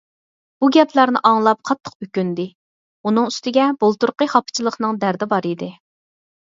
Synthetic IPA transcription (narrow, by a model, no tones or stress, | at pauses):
b̥uɡʲɛpʰlæɾnɪ̰ʔɑŋlˠɑp̚qʰɑt̪ʰːə̥qykʲynd̪ɪ | unɨŋyst̪ɪɡʲɛbolˠt̪uɾqəχɑpʰɨ̥t͡ʃʰilˠəχnɨŋd̪æɾd̪ɪbɑɾid̪ɪ